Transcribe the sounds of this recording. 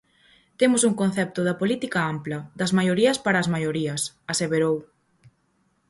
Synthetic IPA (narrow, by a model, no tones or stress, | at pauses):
t̪emʊsuŋkõnθɛp̚t̪ʊðɐpolit̪ikɐamplɐd̪ɐzmajoɾiɐspaɾɐːzmajoɾiɐs | ɐseβeɾow